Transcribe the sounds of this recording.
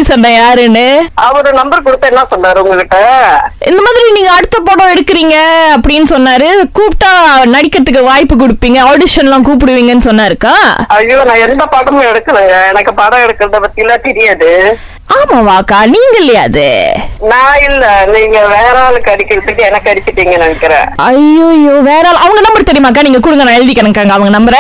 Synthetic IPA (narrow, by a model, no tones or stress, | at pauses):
isɔnɖɐ̃jaːɾɛnɯɐʋɐɾɯnɐmbɐɾkʊɽɯp̪ːɐɛnːãːsɔnːaːɾɯʊŋɡɐkɪʈːɐʔɪ̰nd̪ɐmaːðɪɾiniːŋɡɐːɽɯt̪ːɐpːoːɽõːɛɽɯkːɯɾiːŋɡɐɐpːɐɽɪnːɯsɔnːaːɾɯkuːpʈːaːnɐɽɪkːɐt̪ːɯkːɯʋaːjpːɯk̬ʊɽɯpːiːŋɡɐoːɽɪʂɐnlãːkuːp̬ɪɽɯʋiːŋɡɐnːɯsɔnːaːɪɾɯkːãːɐjːoːnãːɛnd̪ɐpɐɽɐmɛɽɯkːɐleːŋɡɐɛnɐkːɯpaɽɐɛɽɯkːɐɾɐðɐpɐt̪ːɪlːaːt̪ɛɾɪjaːðɯ | aːmaːʋaːkːaːniːŋɡɐɪlːɐja̰ːðɯ̰nãːɪlːɛniːŋɡɐʋeːɾaːlɯkːɐɽɪkːɐɾɯt̪ːɐʈːiɛnɐkːɯɐɽɪkːɪʈːiːŋɡɐnɐɳɐkːɪɾḛ̃ːɐjːoːjːoːʋeːɾaːlʔɐʋɐŋɡɐnɐmbɐɾt̪ɛɾɪjɯmaːk̬ːaːniːŋɡɐkʊɽɯŋɡɐnãːɛɻɯðɪkːɐɳɐŋkːaːŋɡɐɐʋɐŋɡɐnɐmbɐɾɛ̃